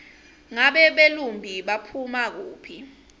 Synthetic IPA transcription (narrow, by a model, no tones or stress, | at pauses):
ŋaɓɛɓelumbʱiɓapʰumak̬uːpʰi